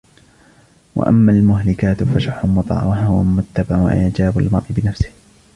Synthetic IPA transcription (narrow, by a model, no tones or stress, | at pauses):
wʔa̰ʔa̰mːaːlmʊɦlɪkaːt̪faʃʊħʊmːʊt̪ˤɑ̰ʕwahhʊwamʊt̪ːabaʕwa̰ʔʔaʕd͡ʒaːbalmɑɾˤʔɪbɪnafsɪ̥h